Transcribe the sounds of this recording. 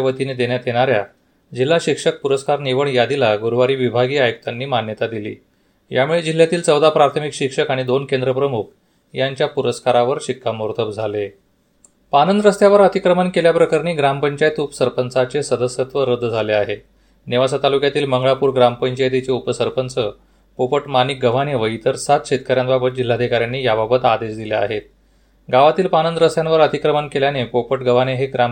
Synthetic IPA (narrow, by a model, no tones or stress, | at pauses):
ʋət̪ined̪eɽjat̪jeɽ̃aɾja | d͡ʑil̤ːaɕikʂək̚puɾəskaɾniʋəɳjad̪ilaɡuɾʋaɾiːʋibʱaɡiːajək̚t̪anːiːmanjət̪ad̪ilḭː | jamuɭed͡ʑil̤ːjat̪iːlt͡səwd̪apɾaɾt̪ʰəmikɕikʂəkaɽ̃id̪onkend̪ɾəpɾəmuk̚ʰ | jaɲt͡ɕjapuɾəskaɾaʋəɾɕikːamoɾt̪ʰəbd͡zʱale | panənd̪ɾəst̪jaʋəɾət̪ikɾəmənkeljapɾəkaɾniːɡɾampəɲt͡ɕajt̪upəsəɾpənt͡sat͡sesəd̪əsjət̪ʋəɾəd̪ʱːd͡zʱaleaɦe | neʋasət̪alukjat̪iːlməŋɡɭapuːɾɡɾampəɲt͡ɕajt̪it͡seupəsəɾpənt͡sə | popəʈmanik̚ɡəʋ̤aneʋəit̪əɾsat̪ɕet̪̚kaɾjanbabət̪̚d͡ʑil̤ːad̪ʱikaɾjanːiːjababət̪ad̪eɕd̪ilea̰ɦet̪̚ | ɡaʋat̪iːlpanənd̪ɾəst̪janʋəɾət̪ikɾəmənkeljanepopəʈɡəʋ̤aneɦeɡɾam